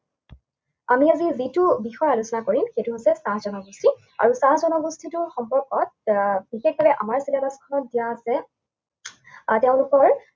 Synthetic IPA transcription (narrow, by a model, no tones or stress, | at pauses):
amiazizitubixɔjalusɔnakoɹimxejtuɦojsɛsãɦzɔnɔɡustʰi | a̰ɹusãɦzɔnɔɡustʰitʊxɔmpɔɹkɔt̚bixexbabɛʔamaɹsilamaskʰɔnɔt̚dijaːsɛ | teʊ̃lukɔɹ